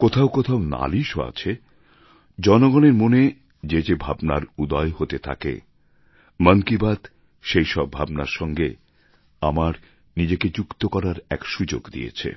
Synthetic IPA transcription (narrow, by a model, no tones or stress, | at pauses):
kot̪ʰaoʊkot̪ʰaona̰liʃoa̰t͡ɕʰe | d͡ʑɔnoɡɔneɾmone | d͡ʑed͡ʑebʱabna̰ɾud̪ɔeɦot̪et̪ʰa̰kḛ | məŋkibad̪ | ʃejʃɔbʱabnaɾʃɔŋɡe | amaɾ | nid͡ʑeked͡ʑukt̪okɔɾaɾɛkʃud͡ʑo̰ɡd̪ḭjḛt͡ɕʰḛ